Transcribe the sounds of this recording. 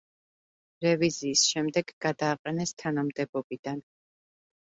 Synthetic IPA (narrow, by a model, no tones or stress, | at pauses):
ɾɛviziːsʃɛmd̪ɛɡɡad̪aːqʼɛnɛst̪ʰanamd̪ɛbɔbid̪an